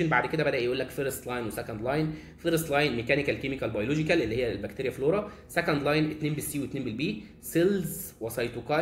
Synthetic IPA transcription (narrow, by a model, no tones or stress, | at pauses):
enbaʕd̪ked̪æbæd̪æʔjʔuːlːækfeɾest̪lɑjnwesækænd̪lɑjn | feɾst̪lɑjnmekæːnɪkælkemikælbɑjolod͡ʒɪkælʔelːihejːælbækt̪eɾjæfloːɾˤɑ | sækænd̪lɑjnet̪neːnbesːiːwet̪neːnbelbiː | selzwɑsˤɑjt̪ukɑ